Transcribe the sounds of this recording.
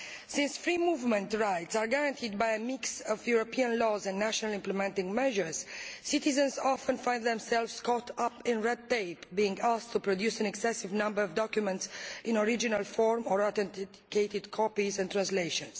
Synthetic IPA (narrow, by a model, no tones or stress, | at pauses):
sĩnsfɹimuvmɛ̃nt̪ɹajtsaɹɡaɹãnt̪ʰid̪̚bajəmiksɔvjuɹopʰiãnlɔzɛ̃nːnæʃɔnalĩmplɛmɛ̃nt̪ĩŋɡmɛʒəɹz̥sit̪izə̃nzɔfə̃nfãjnd̪ðɛ̃msɛlvskɔt̪ʰapɪ̃nɹɛd̪̚t̪eɪpbiĩŋɡast̪ʰːupɹod̪jusɛ̃nɛksɛsivnãmbəɹɔvd̪ɔkjumɛ̃ntsĩnɔɹid͡ʒinalfɔɹmɔɹat̪ɛ̃nt̪ | keɪt̪id̪kʰɔpizɛ̃nt̪ɹãnsleʃɔ̃ns